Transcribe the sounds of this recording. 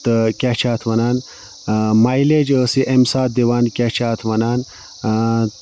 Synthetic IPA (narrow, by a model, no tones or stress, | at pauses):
t̪kʲat͡ʃʰaːt̪ʰʋɐnaːn | maːjled͡ʒəsiʔemsaːt̪̚d̪iʋaːnkʲat͡ʃʰaːt̪ʰʋɐnaːn